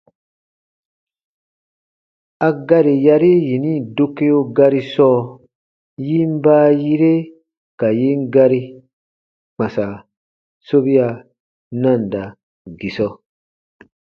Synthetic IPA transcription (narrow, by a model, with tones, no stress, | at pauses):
a˧ɡa˦ɾi˨ja˧ɾi˦ji˨nĩ˦˨do˦ke˦jo˧ɡa˧ɾi˦sɔː˦ | ji˦m˦baː˦ji˦ɾe˦ | ka˨ji˦ŋ˦ɡa˧ɾi˦ | k͡pã˨sa˨ | so˦bi˦a˧ | nã˦˨nda˨ | ɡi˨sɔ˦